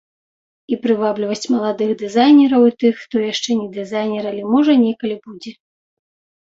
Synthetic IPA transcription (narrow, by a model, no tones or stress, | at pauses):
ipɾɨvablʲivɐsʲt͡sʲmɐlˠad̪ɨɣd̪ɨzajnʲɛɾɐwit̪ɨxːt̪ɔjaʂt͡ʂɛnʲɛd̪ɨzajnʲɛɾɐlʲɛmɔʐɐnʲɛkɐlʲibud͡zʲɛ